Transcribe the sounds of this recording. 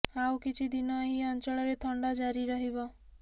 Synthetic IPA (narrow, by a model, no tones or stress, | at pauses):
awkit͡ʃʰid̪inɔɦiɔnt͡ʃɔɭɔɾet̪ʰɔɳɖad͡ʒaɾiɾɔɦibɔ